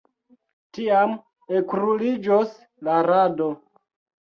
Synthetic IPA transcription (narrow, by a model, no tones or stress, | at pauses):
tiam | ekɾulid͡ʒos | laɾado